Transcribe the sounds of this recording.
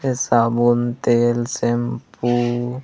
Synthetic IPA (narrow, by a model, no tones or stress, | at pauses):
esabunt̪eːlsempu